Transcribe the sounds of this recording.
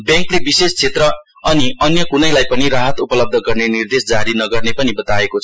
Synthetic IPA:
bjãŋklebisest͡sʰet̪rʌ | ʌniʌnjʌkunʌjlajpʌniraɦʌt̪upʌlʌb̚d̪ʱʌɡʌrnenird̪esd͡zaɾinʌɡʌrnepʌnibʌt̪aekot͡sʰ

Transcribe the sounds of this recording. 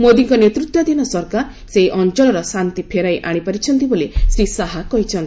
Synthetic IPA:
mod̪iŋkɔnet̪ɾut̪wɔd̪inɔsɔɾkaɾ | seɦiʔɔnt͡ʃɔlɔɾɔsant̪ipʰeɾajʔaɽ̃ipaɾit͡ʃʰɔnt̪ibolesɾisaɦakɔɦit͡ʃʰɔnt̪i

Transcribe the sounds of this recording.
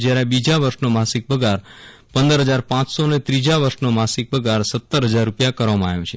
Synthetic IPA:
d͡ʒjaɾebid͡ʒaʋəɾʃnomasik̚bəɡʱaɾ | pə̃nd̪əɾɦəd͡ʒaɾpãt͡ʃsonet̪ɾid͡ʒaʋəɾʃnomasik̚bəɡʱaɾsət̪ːəɾɦəd͡ʒaɾːupjakəɾʋamãaʋjõt͡ʃʰe

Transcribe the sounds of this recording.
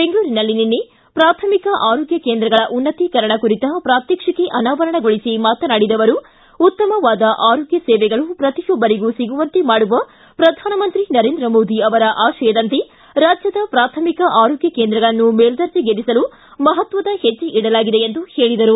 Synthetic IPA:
be̞ŋɡɐɭuːɾinɐlːininːe | pɾaːt̪ʰɐmikɐʔaːɾoːɡjɐkeːnd̪ɾɐɡɐɭɐʔunːɐt̪ikɐɾɐɳɐkuɾit̪ɐpɾaːt̪jɐkʂɐkeʔɐnaːʋɐɾɐɳɐɡoɭisimaːt̪ɐnaːɽid̪ɐʋɐɾuː | t̪ːɐmɐʋaːd̪ɐʔaːɾoːɡjɐsɛːʋɛɡɐɭupɾɐt̪ijɔbːɐɾiɡusiɡuʋɐnt̪imaːɽuʋɐ | pɾɐd̪ʱaːnɐmɐnt̪ɾinɐɾeːnd̪ɾɐmoːd̪iɐʋɐɾɐʔaːʃɐjɐd̪ɐnt̪e | ɾaːd͡ʒjɐd̪ɐpɾaːt̪ʰɐmikɐʔaːɾoːɡjɐkeːnd̪ɾɐɡɐɭɐnːumeːɭd̪ɐɾd͡ʒiɡedisɐlu | mɐɦɐt̪ʋɐd̪ɐhet͡ʃːiʔiɽɐlaːɡid̪e̞end̪uhe̞ːɭid̪ɐɾu

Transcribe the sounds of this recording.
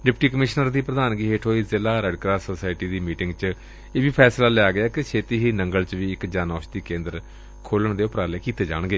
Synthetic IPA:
ɖɪpʈiːkəmɪʃnəɾd̪iːpɾəd̪aːnɡiɦeːʈʰɦoːiːzɪlaːɾɛɖkɾaːsoːsaːɪʈiːd̪iːmiːʈɪŋɡt͡ʃ | eːʋiːpʰɛːslaːlɛaːɡɪaːket͡ʃʰeːt̪iːɦiːnəŋɡəlt͡ʃʋiːɪkd͡ʒaːnaɔːʃd̪iːkẽːnd̪əɾ | kʰoːləɳd̪eːʊpɾaːleːkiːt̪eːd͡ʒa̰ːɳ̃ɡeː

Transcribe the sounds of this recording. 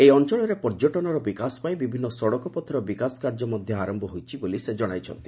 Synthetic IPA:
ejɔnt͡ʃɔɭ̃ɔɾepɔɾd͡ʒoʈɔnɔɾɔbikasɔ̥pajbibʱinːɔsɔɽɔkɔpɔt̪ʰɔɾɔbikasɔ̥kaɾd͡ʒɔmɔd̪ʱjɔaɾɔmbɔɦojt͡ʃʰibolised͡ʒɔɽ̃ajt͡ʃʰɔ̰nt̪i̥

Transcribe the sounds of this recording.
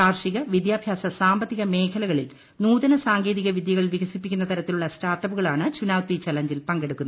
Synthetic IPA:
aːrʂiɣɐʋid̪jaːbʱjaːsɐsaːmbɐt̪ːiɣɐme̞ːkʰɐlɐɣɐɭil | nuːðɐnɐsaːŋɡe̞ːðiɣɐʋid̪jɐɣɐɭʋiɡɐsipːikʲːunːɐt̪ɐɾɐt̪ːiluɭːɐstʰaːt̪ɐbuɣɐɭaːɳɨt͡ɕunaːwt̪ʋit͡ɕɐlɐɲd͡ʑilpɐŋɡe̞ɽukːunːɐ

